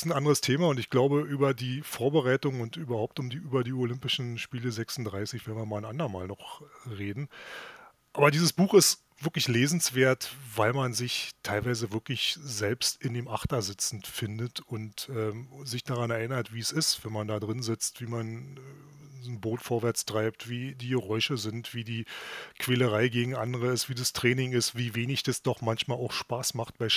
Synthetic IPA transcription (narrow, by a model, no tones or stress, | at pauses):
sn̩ʔandəʁəstʰeːmaʊntɪçɡ̥laʊbəʔyːbɐdiːfoːɐbəʁaɪtʊŋʊntʔyːbɐɦhaʊp̚tʊmdiːʔyːbɐdiːolʏmpɪʃn̩ʃpiːləzɛksn̩dʁaɪsɪçv̥ɛnviːɐmaːlnʔa̰ndɐmaːlnɔχʁeːdn̩ | ʔaːbɐdiːzəsb̥uːχɪst | v̥ɪɐklɪçleːzn̩sv̥eːɐtvaɪlmanzɪçtʰːaɪlvaɪzəvɪɐklɪçz̥ɛlpstɪndeːmʔaχtɐzɪt͡sn̩fɪndətʊntʔɛːzɪçd̥aːʁanɛɐʔɪnɐtv̥iːsɪstv̥ɛnmandaːdʁɪnzɪt͡stv̥iːman | znboːtfoːɐvɛɐt͡stʁ̥aɪptv̥iːdiːɡəʁɔʏʃəzɪntv̥iːdiːkv̥eːləʁaɪɡeːɡŋ̩ʔandəʁəɪstv̥iːdastʁ̥ɛːnɪŋɪstv̥iːveːnɪçd̥asd̥ɔχmançmaːlaʊxʃpaːsmaχt̚b̥aɪʃ